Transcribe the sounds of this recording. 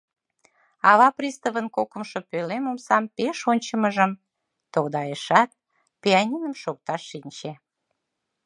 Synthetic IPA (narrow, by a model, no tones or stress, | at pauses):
ɑβɑprʲist̪əβənkokəmʃopølemomsɑmpeʃonʲt͡ɕəməʒəm | t̪owd̪ɑjeʃɑt̪̚ | peɑnʲinəmʃok̚t̪ɑʃːinʲt͡ɕe